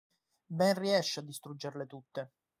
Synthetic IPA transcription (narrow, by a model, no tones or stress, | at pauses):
bɛnriɛʃːad̪ːist̪ɾud͡ʒːerlet̪ut̪ːe